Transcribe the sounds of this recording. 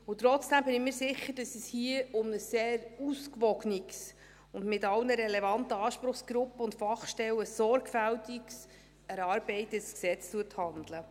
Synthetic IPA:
ʊt̪rɔt͡sd̥æmbɪnɪmiːɾsɪχəɾd̥ɑsəshiəʊmnəsːeːɾuskvɔɡniks | ʊndmɪtɑlnəɾɛlɛvɑntəɑːʃpɾʊχsɡ̥ɾʊpːəʊntfɑχʃtɛləsɔrɡfæltiks | ɛɾɑːɾbɛɪtəsksɛt͡stuəthɑnd̪lə

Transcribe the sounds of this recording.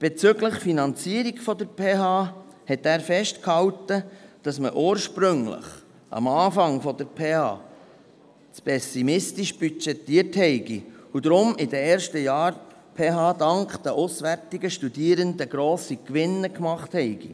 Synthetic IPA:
b̥et͡sʏɡləχfinɑnt͡siəɾiɡfɔd̪əɾpʰeːɦɑː | hɛt̪æːɾfɛʃtkhɑwtəd̥ɑsməʔuːɾʃpɾʏŋlə̰χ | ʔɑ̰mɑːfɑŋfɔd̪əɾpʰeːhɑ̰ː | t͡spʰɛsimɪstiʃb̥yt͡ʃɛtːiəɾthɛɪɡiud̪ɾʊmɪdəɛːɾʃtəjɑːɾ | pʰeːɦɑːdɑŋkd̥̪əʔusʋæɾtiɡəʃtudiəɾənd̪əɡɾoːsikʋɪnːəkmɑχthɛɪɡ̥ḭ

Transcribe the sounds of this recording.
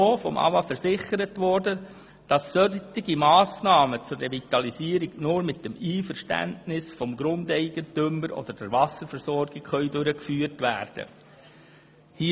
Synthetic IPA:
oːfɔmʔɑ̰vɑfɛɾzɪχəɾətʋɔɾdə | d̥ɑsːœtɪɡimɑːsnɑːmət͡sʊrevitɑliziːəɾiɡnʊːɾmɪt̚dɛmiːfəɾʃtæ̰ntnɪsfɔmɡɾʊndɛɪɡəntøməɾʔɔ̰d̪əd̥ɛɾvɑsəɾfɛɾsɔɾɡ̥ɪkχœʏdʊɾəkfyːɾtʋæːɾd̥ə̰ | hi

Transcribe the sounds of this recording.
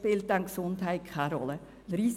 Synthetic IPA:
pɪlt̪ɑŋksunt̪ʰæɪkʰɑːɾɔ̰lə | ɾiːs

